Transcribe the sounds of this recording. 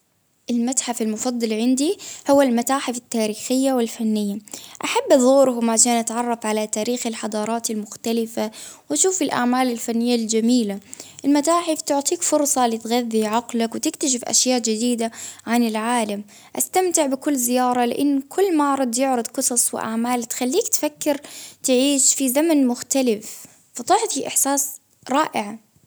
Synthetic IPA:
ʔɪlmat̪ħafalmʊfɑd̪ˤːɑlʕɪnd̪ihʊwːalmat̪aːħɪfɪt̪ːaːɾiːxɪjːawɪlfanːɪjːaʔaħabːʔɑðˤuːɾhʊmʕaʃeːnʔat̪ʕɑrˤːɑfʕalat̪aːɾiːxɪlħɑd̪ˤɑːɾˤɑːt̪ɪlmʊxt̪alɪfawʔaʃuːfɪlʔa̰ʕmaːlɪlfanːɪjːald͡ʒamiːlaʔɪlmat̪aːħɪft̪ʊʕt̪ˤiːkfʊɾsˤɑlɪt̪ɣaðːiʕɑqlakwɪt̪ɪkt̪aʃ̬ɪfʔa̰ʃjaːʔd͡ʒɪd̪iːd̪aʕanɪlʕaːlam | ʔast̪amt̪ɪʕbɪkʊlːzɪjɑːɾˤɑlɪ̰ʔɪnːkʰʊlːmaʕɾˤɑd̪ˤjʊʕɾˤɑd̪qɨsˤɑsˤwɪ̰ʔa̰ʕmaːlt̪xalːiːkt̪fakːɪɾt̪ɪʕiːʃfizamanmʊxt̪alɪf | fɑt̪ˤɑħt̪iʔɪħsaːs | ɾˤɑːʔɪʕa

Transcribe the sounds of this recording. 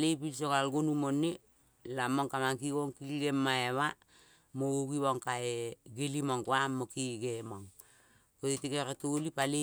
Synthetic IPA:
lejpilsoɣalɡonumonːe | lamoŋkamaŋkiɡoŋkilɡemːaeβa | mooɡiβoŋkaeɡelimoŋkoamːokiɡemoŋ | kotitikeɾatolipale

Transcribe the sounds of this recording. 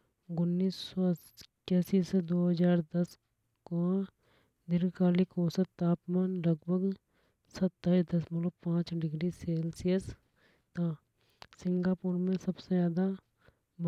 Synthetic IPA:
ɡʊnːiːssɔ | kɛːsised̪oːɦəd͡ʒaːɾd̪ɐs | koã | d̪ɪɾkaːlikoːsət̪aːpmaːnlɐɡbʱəɡ | sɐt̪ːaːid̪ɐsmɐləpãːt͡ʃɖɪɡɾiseːlsijəs | t̪aː | sɪ̃ŋɡaːpuːɾmẽsɐbsejaːd̪a | m

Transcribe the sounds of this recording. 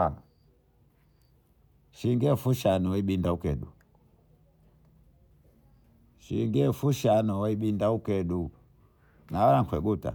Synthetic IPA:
ʃiŋɡɛfuʃanɔwaiɓindaukɛɗu | ʃiŋɡɛfuʃanɔwaiɓindaukɛɗu | nawalaŋ̩kwɛɡuta̰

